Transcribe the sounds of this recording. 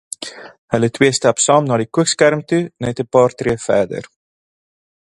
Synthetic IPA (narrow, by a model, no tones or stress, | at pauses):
hələtwiəstɑpsɑːmnɑːdikuəkskærmtunɛtəpɑːrtriəfæːdə̰r